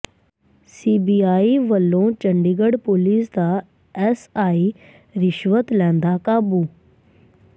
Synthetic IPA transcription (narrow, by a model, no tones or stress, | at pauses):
siːbiaːiʋəlːõt͡ɕə̃ɳɖiɡəɽpoliːsd̪a | ɛsaːi | ɾɪʃʋət̪lɛ̃ːnd̪akaːbu